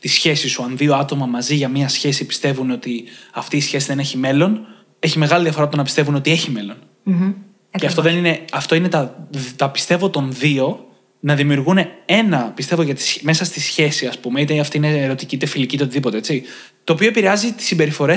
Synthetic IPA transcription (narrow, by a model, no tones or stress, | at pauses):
t̪isçe̞sisuɐnðio̞ɐt̪o̞mɐmɐziʝɐmiɐsçe̞sipi̥st̪e̞vuno̞t̪iɐft̪iːsçe̞siðe̞neçime̞lo̞n | e̞çimeɣɐliðiɐfo̞ɾɐt̪onɐpist̪e̞vuno̞t̪ie̞çime̞lo̞n | ceɐft̪oðenine̞ɐft̪o̞ine̞t̪ɐt̪ɐpi̥st̪e̞vo̞t̪o̞nðio̞ | nɐðimiuɾɣunee̞nɐpist̪evoʝɐt̪i̥sme̞sɐst̪isçe̞siɐspume̞it̪eɐft̪iineɾo̞t̪icit̪efilicit̪eot̪iðipo̞t̪ee̞t͡si | t̪oːpio̞epiɾe̞ɐzit̪i̥simbe̞ɾifo̞ɾe̞